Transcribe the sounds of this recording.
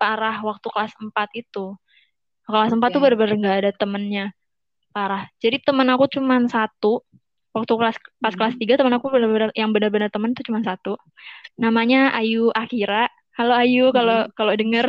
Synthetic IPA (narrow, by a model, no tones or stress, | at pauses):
paɾahwak̚t̪ukəlasəmpat̪̚it̪u | kəlasəmpat̪ːubənbənərŋɡaːdat̪əmənɲa | paɾahd͡ʒadit̪əmənakut͡ʃumansat̪u | wak̚t̪uklaspaskəlast̪iɡat̪əmənakubənərbənərjaŋbənərbənərt̪əmənit̪ut͡ʃumansat̪u | namaɲaajuʔakiɾaʔ | kaloajukalokalodəŋər